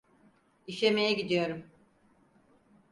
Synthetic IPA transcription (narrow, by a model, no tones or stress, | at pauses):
iʃemejɛɟid̪ijo̞ɾum